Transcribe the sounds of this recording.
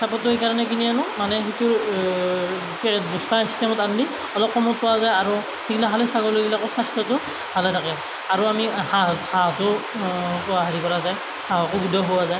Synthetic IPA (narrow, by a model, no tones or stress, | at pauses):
sapɔtːʊɦejkaɹɔnɛk̬inianʊmanɛxitʊɹ | kɛbuskasi̥stɛmɔtandi | ɔlɔp̚kɔmɔt̚pɔwazajaɹu | hiklaɦalɛsaɡɔlojbilakʊsastɔtʊ | bʱalɛtʰakɛ | aɹuamihahatʊ | pɔaɦaɹikɔɹazaj | hakʊɡudʱɔɦʊwazaj